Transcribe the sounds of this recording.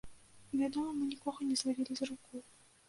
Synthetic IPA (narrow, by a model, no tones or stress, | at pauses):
vʲad̪ɔmɐmɨnʲikɔɣɐnʲɛzlˠavʲilʲizrukɔj